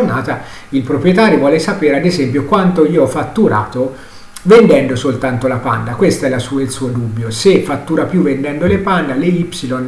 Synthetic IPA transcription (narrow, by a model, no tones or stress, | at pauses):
rnaːt̪a | ilpɾopɾjet̪aːɾjovwɔːlesapeːɾead̪ezɛmpjokwant̪oiːoɔfːat̪ːuɾa̰ːt̪o | vend̪ɛnd̪osolt̪ant̪olapa̰nd̪akwest̪aɛlasuːilsuːod̪ubːjosefat̪ːuːɾapjuvend̪ɛnd̪olepand̪aleipsilon